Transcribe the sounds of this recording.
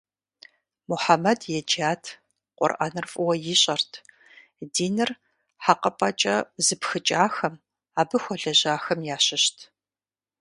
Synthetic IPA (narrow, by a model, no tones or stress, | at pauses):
mʊħamɐdjɛd͡ʒaːtʰ | qʷʼɔ̰rʔɐ̰nɨrfʼʊwɐjɪɕʼɐrtʰ | diːnɨr | ħaqɐpʼɐt͡ʃʼɐzɨpxɨt͡ʃʼaːxɐm | aːbɨxʷɔɮɐʑaːxɐmjaːɕɪɕtʰ